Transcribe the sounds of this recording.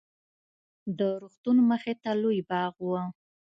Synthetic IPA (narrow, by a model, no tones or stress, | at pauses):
d̪əɾoxt̪unməxet̪alojbɑɣwə